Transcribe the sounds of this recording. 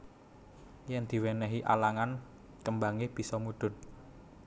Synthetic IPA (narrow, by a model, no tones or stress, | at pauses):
jɛnd̪̥i̤wɛnɛɦiʔa̰laŋan | kəmbaŋɪhb̥i̤sɔmuɖ̪̥ʊ̤n